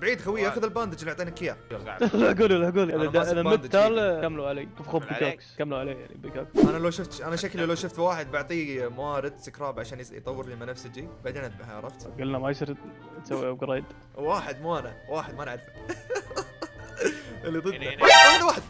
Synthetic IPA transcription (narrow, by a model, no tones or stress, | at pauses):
bʕiːd̪xawiːaʔaxʊðɪlbaːnd̪ɪd͡ʒɪlːaʕt̪ˤiːnakːɪjaa̰laɡuːlilaaɡuːlʔðad̪aʔɪðamɪaːlkamːluʕaleːkufxoːbbioːkskamːluʕaleːjaʕnḭbikoːksʔanalawʃʊft̪ʔanaʃaklilawʃʊft̪waːħɪd̪̚baʕt̪ˤiːmawaːɾɪd̪sɪkɾˤɑːbʕaʃaːnjt̪ˤɑwːɾliːmanafsɪd͡ʒibaʕd̪eːnʕɾˤɑft̪ɡalːnamajsɪɾ | t̪sawːiʔawɡɾˤeːd̪ | waːħɪd̪muːʔanawaːħɪd̪manʕaɾfa | ʔalːid̪ˤɨd̪aʔaaðwaːħɪd̪̚